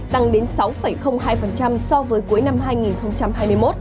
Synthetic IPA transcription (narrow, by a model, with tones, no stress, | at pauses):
t̪a˧ŋɗe˨˦nsa˨˦wfə˧˩jxə˧wŋ͡mɦaː˧jfə˨˩nt͡ɕa˧msɔ˧vəː˨˦jku˨˦əjna˧mɦaː˧jŋi˨˩nxə˧wŋ͡mt͡ɕa˧mhaː˧jmɨ˧əjmo˦˥t̚